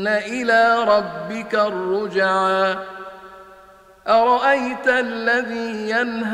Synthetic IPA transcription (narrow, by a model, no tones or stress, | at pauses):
naʔɪlaːɾˤɑbːɪkarˤːʊd͡ʒaʕaː | ʔɑɾˤɑʔajt̪aʔlːaðiːjanɦ